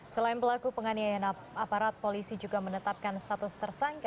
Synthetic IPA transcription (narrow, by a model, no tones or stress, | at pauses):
səlaɪnpəlakupəŋaniajan | apaɾat̪̚polisid͡ʒuɡamənət̪ap̚kanst̪at̪ʊst̪ərsaŋka